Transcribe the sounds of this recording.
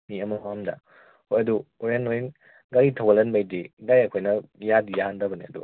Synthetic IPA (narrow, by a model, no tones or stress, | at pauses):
miɐmɐɦamdɐ̰ | hojɐduoɾenojin | ɡɐɾitʰawɐlɐnbajdidajɐkʰojnɐjadjaandɐbɐnḭɐdṵ